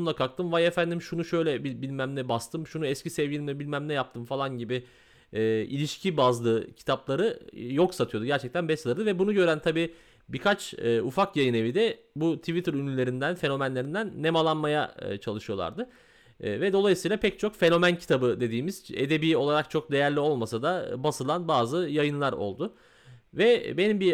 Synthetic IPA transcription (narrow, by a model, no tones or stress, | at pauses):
lˠakʰak̚t̪ʰɯmvajefænd̪imʃunuʃø̞jlʲɛbibilʲmæmlʲɛbast̪ɯmʃunuɛscisɛvjilʲimʲɛbilʲmæmlʲɛjap̚t̪ʰɯmfalˠanɟibiː | ḭlʲiʃcʰibazlˠɯːcʰi̥t̪ʰaplˠaɾɯjo̞ksat̪ʰɯjo̞d̪uɟæɾt͡ʃʰɛc̚t̪ʰænbɛslˠɯɾd̪ɯvɛbunuɟø̞ɾænt̪ʰabiː | biɾkʰat͡ʃɯːufakjajɯne̞vid̪ɛ | but̪ʰivit̪ɯɾynlʲylʲe̞ɾind̪ænfe̞no̞mænlʲe̞ɾind̪ænːe̞malˠanmaja̰t͡ʃʰalˠɯʃɯjo̞lˠa̰ɾd̪ɯ | vɛd̪o̞lˠajɯsɯijlˠapʰɛc̚t͡ʃʰo̞kfe̞no̞mæncʰi̥t̪ʰabɯd̪e̞d̪iːmiz̥e̞̰d̪e̞biːo̞lˠaɾak̚t͡ʃʰo̞k̚d̪e̞jæɾlʲio̞lˠmasad̪abasɯlˠanbaːzɯjajɯnlˠaɾo̞̰lˠd̪ʊ | vɛbe̞nimbi